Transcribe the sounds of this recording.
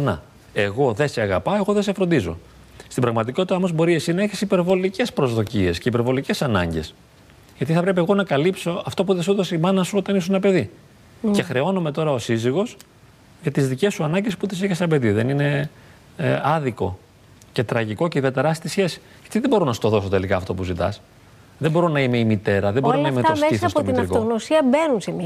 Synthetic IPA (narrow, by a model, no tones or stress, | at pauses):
nɐ̰ | e̞ɣo̞ðeseɐɣɐ̰pɐe̞ɣo̞ðes̬efɾo̞nd̪izo̞̰ | st̪ibɾɐɣmɐt̪iko̞t̪it̪ɐmozbo̞ɾie̞sinɐeçisipe̞ɾvo̞lice̞spɾo̞zðo̞cie̞sce̞ipe̞ɾvo̞lice̞sɐnɐ̰ɲɟe̞̰s | ʝɐt̪iθɐpɾe̞p̬ieɣo̞nɐkɐlipso̞ɐft̪o̞p̬uðesut̪osimɐnɐsuot̪ɐnisuenɐpe̞ði | ce̞xɾe̞o̞nome̞t̪o̞ɾɐosiziɣo̞s | ʝɐt̪izðice̞sːuɐnɐɲɟe̞sput̪isiçesɐbe̞ðiðe̞nine̞ | ɐðiko̞̰ | ce̞t̪ɾɐʝiko̞ceiðiɐt̪e̞ɾɐst̪isçe̞si̥ | ʝɐt̪iðebo̞ɾo̞nɐsu̥t̪o̞ðo̞so̞t̪e̞likɐːft̪o̞puzit̪ɐ̰s | ðebo̞ɾo̞nɐimeimit̪e̞ɾɐðebo̞ɾonɐimessisɐsmt̪inɐfoɣnosiɐbenunsem